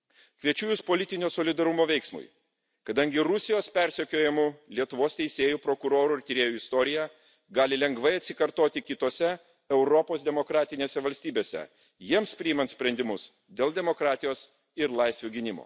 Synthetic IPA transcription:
kʋʲiɛt͡ʃʲuːjʊspoːlʲɪt̪ʲɪnʲoːsoːlʲɪd̪ɐɾʊmoːʋʲɛɪksmʊ̰ɪ | kɐd̪ɐŋʲɡʲɪɾʊsʲɪjoːspʲɛɾʲsʲɛkʲoːjɛmʊlʲiɛt̪ʊʋoːst̪ʲɛɪsʲeːjuːpɾokʊɾoːɾuɪɾt̪ʲɪɾʲeːjuɪst̪oːɾʲɪjɛ | ɡɑːlʲɪlʲɛŋɡʋɐɪɐt̪ʲsʲɪkɐɾt̪oːt̪ʲɪkʲɪt̪oːsʲɛ | ɛʊɾɔpoːsd̪ʲɛmokɾɑːt̪ʲɪnʲeːsʲɛʋɐlʲsʲt̪ʲiːbʲeːsʲɛ̰ | jiɛmspʲɾʲɪimɐnt̪sʲpʲɾʲɛnʲd̪ʲɪmʊs | d̪ʲeːlˠd̪ʲɛmoːkɾɑːt̪ʲɪjoːs | ɪɾlˠɐɪsʲʋʲuːɡʲɪnʲɪmo̰ː

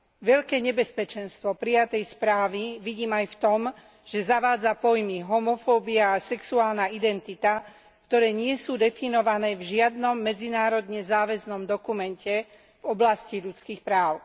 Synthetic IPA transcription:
ʋɛʎkɛːɲɛbɛspɛt͡ʃɛnst̪ʋɔpɾijat̪ɛjspɾaːʋiʋiɟiːmajft̪ɔm | ʒ̥ɛzaʋaːd͡zapɔjmiɦɔmɔfɔːbiaːsɛksuaːlnaid̪ɛnt̪it̪a | kt̪ɔɾɛːɲɪɛsuːd̪ɛfinɔʋanɛːvʒɪad̪nɔmːɛd͡zinaːɾɔd̪ɲɛzaːʋɛznɔmd̪ɔkumɛncɛ | vɔblasciʎut͡skiːxpɾaːʊ

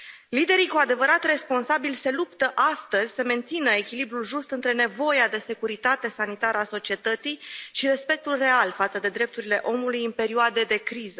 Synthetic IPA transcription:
lid̪e̞ɾikuad̪e̞vəɾat̪re̞spo̞nsabilse̞lupt̪əʔast̪əzʲsəme̞nt̪sinəe̞kʲilibɾulʒust̪ɨnt̪ɾe̞ne̞vo̞jad̪e̞se̞kuɾit̪at̪e̞sanit̪aɾəaso̞t͡ʃie̞t̪ət̪sijʃiɾe̞spe̞k̚t̪ulre̞alfat̪səd̪e̞d̪ɾe̞p̚t̪uɾile̞ʔo̞mulujɨnpe̞ɾioad̪ed̪e̞kɾizə

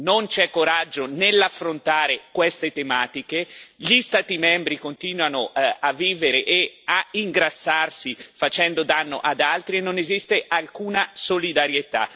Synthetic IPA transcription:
nont͡ʃɛkːoɾad͡ʒːonelːafːɾont̪aːɾekwest̪et̪emaːt̪ikeʎist̪aːt̪imɛmbɾikont̪iːnwanoavːiːveɾeʔeaiŋɡɾasːarsifat͡ʃɛnd̪od̪anːo̰ʔad̪alt̪ɾienːonezist̪eʔalkuːnasolid̪aɾjet̪a̰

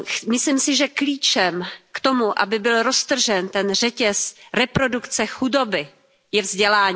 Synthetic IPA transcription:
mɪslimsɪʒɛkliːt͡ʃɛmkt̪o̞muʔa̰bɪbɪlɾo̞st̪r̩ʒɛnt̪ɛnr̝ɛcɛsɾɛpɾo̞dukt͡sɛxudobɪ | jɛvzɟɛlaːɲː

